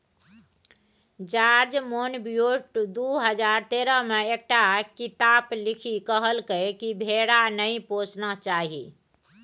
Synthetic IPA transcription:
d͡ʒaɾd͡ʒmonbjoʈd̪uɦəd͡ʒaɾt̪eɾəmeek̚ʈakit̪aplikʰikəɦəlkəkibʱeɽanəĩpot͡ʃnət͡ʃaɦi

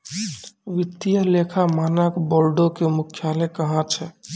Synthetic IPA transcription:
ʋit̪ːijəlekʰamanəkboɾɖokemukʰjalɛkəɦãt͡ʃʰɛ

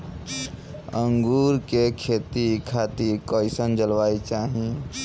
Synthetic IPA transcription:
ə̃ŋɡuːɾkekʰeːt̪ikʰaːt̪iɾkɔːɪsənd͡ʒəlʋaːit͡ʃaːɦie

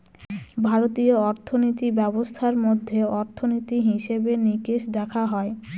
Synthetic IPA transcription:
bʱaɾot̪ioɔɾt̪ʰonit̪ibɛbost̪ʰaɾmod̪ʱːeɔɾt̪ʰonit̪iɦiʃebenikeʃd̪ɛkʰaɦɔe

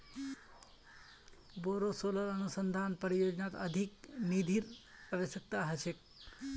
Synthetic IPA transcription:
boɾosolələnusənd̪ʱanpəɾijod͡ʒnat̪əd̪ʱiknid̪ʱiɾaʋəsjək̚t̪aɦət͡ʃʰek̚

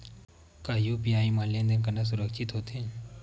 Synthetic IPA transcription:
kaːjupijaːimanlijə̃nd̪enkɐnas̬ʊɾəkʃɪt̪ɦoːt̪eɦɛ̃

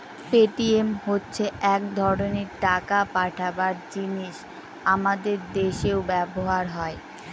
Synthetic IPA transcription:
peʈiemɦotːɕʰeʔɛkd̪ʱɔɾoneɾʈakapaʈʰabaɾd͡ʑiniʃ | amad̪eɾd̪eʃeobɛboɦaɾɦɔe

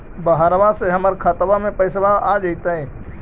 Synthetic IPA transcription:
bəɦaɾʋaseɦəməɾkʰaːt̪bamẽpəɪsbaad͡ʒəɪt̪ɦɛ̃

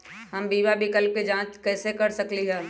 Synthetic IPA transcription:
ɦəmbiːʋabʱikəlp̚ked͡ʒãːt͡ʃkɛːsekɐɾsəkliɦɛː

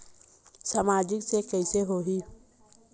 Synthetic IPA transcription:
saːmaːd͡ʒɪksekɛɪseɦoːɦiː

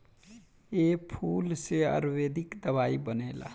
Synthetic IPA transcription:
epʰulseə̰ɾwed̪ikd̪əβaibənela̰

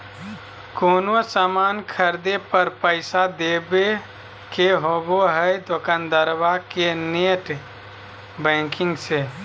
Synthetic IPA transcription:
koːnosamankʰəɾd̪epəɾpəɪsad̪ebe | keɦoboɦəjd̪okənd̪əɾbakeneʈ | bə̃kĩŋɡse

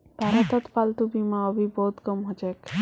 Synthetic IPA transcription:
b̥ʱaɾɔt̪ɔt̪palt̪ubimaɔbʱibɔɦut̪kɔmɦɔd͡ʒek

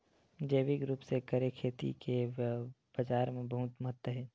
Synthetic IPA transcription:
d͡ʒeːʋiɡɾuːpsekəɾekʰeːt̪ḭke | b̥ɐd͡ʒaːɾmẽbɐɦʊt̪məɦət̪wəɦɛː

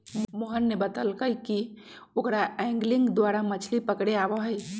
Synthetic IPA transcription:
moɦənːebət̪əlkəjki | okɾaɛ̃ŋɡlɪ̃ŋɡd̪waːɾamət͡ʃʰlipəkɽeabəɦəɪ

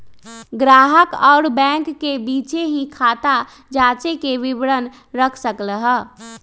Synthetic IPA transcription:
ɡɾaːɦəkɔːɾbɛ̃ːŋkːebiːt͡ʃeɦĩkʰaːt̪a | d͡ʒaːt͡ʃekeʋɪʋɾən | ɾəkʰsəkɾəɦə

